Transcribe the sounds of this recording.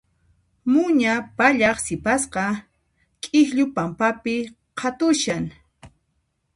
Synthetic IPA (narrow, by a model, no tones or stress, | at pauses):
mʊɲapaʎɑχsɪpasqɑ | kʼɪxʎʊpampapɪ | qʰɑt̪ʊʃaŋ